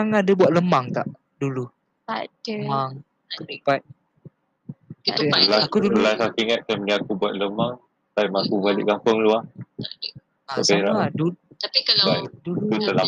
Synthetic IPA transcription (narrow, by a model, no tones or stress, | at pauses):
aŋadabuat̪̚ləmaŋt̪aʔ | dulu | maŋ | ətəpat̪̚ | kiəlakudəlasakiŋat̪̚kaməniakubuat̪̚ləmaŋ | saimakubalɪ̰ʔkampʊŋlua | t̪abea̰ʔaduaiaduut̪əla